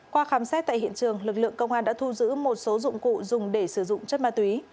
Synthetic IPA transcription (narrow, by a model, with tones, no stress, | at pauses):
kwaː˧xaː˨˦msɛ˦˥t̚t̪a̰ː˧˨jhḭ˧˨ənt͡ɕɨ˨˩əŋlɨ˨˩k̚lɨ̰˧˨əŋkə˧wŋ͡mʔaː˧nɗa̰ː˧˥t̪ʰu˧zɨ̰˧˥mo˨˩t̚so˨˦zʊ̰˧˨ŋ͡mkṵ˧˨zʊ˨˩ŋ͡mɗe˧˩sɨ˧˩zʊ̰˧˨ŋ͡mt͡ɕə˦˥t̚ma̰ː˧˨t̪wi˨˦